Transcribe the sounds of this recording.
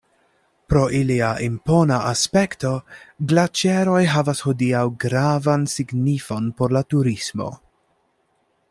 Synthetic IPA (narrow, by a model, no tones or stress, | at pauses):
pɾo̞ʔiliaʔimpo̞naʔaspe̞kto̞ɡlat͡ʃeɾo̞jɦavashodiawɡɾavansiɡnifo̞npo̞ɾlatuɾismo̞̰